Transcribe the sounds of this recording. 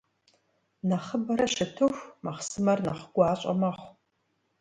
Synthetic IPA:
nɐχəbɐɾɐʃɪtʰɨxʷmɐχsɨmɐrnɐ̰χɡ̥ʷɑːɕʼɐ̰mɐχʷ

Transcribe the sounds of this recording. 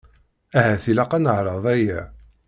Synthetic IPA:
æhæθilæqænəʕɾˤɑðˤæjæ

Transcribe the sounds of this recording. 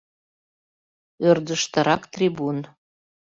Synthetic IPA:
ørd̪əʃt̪ə̆ɾʔɑkt̪rʲibun

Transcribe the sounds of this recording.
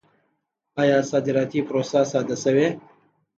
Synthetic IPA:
ɑːjɑːsɑːd̪ɪɾɑːt̪ipɾoːsasɑːd̪ɐsɐwe

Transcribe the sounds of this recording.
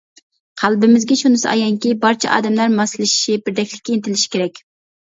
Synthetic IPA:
qʰælˠbɪmɪzɡʲɛʃunɨsɑ̰jɑŋkʲibɑɾt͡ʃʰɛ̰ʔɑ̰ːd̪ɛmlæɾmɑsɨlˠɪʃi̥ʃibɪɾd̪ɛkʲlɪ̥kʲːɛnt̪ʰɪlɪʃi̥kʲeɾɛkʲ

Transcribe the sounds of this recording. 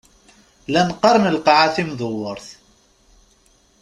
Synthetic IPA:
lænqɑɾˤnəlqɑʕaθimðˤəwːəɾˤθ

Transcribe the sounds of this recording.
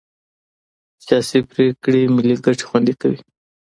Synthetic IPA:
sjɑsipɾekɽimɪliɡaʈ͡ʂe̥xwand̪ikawi

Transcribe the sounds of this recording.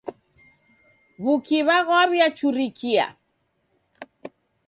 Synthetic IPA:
βukiβaɣwɔaβjat͡ʃuɾikʰia̰

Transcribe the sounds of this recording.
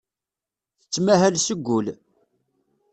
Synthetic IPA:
θət͡sːmæɦælsəɡʷːʊl

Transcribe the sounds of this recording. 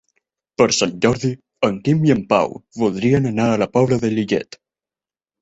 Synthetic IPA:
pəɾsanʲd͡ʒɔɾði | əŋkimiəmpa̰wβulˠd̪ɾiənənaələpɔβləðəliʎɛ̰t̪

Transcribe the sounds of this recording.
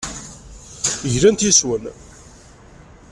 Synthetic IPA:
ʝlænt̪iswən

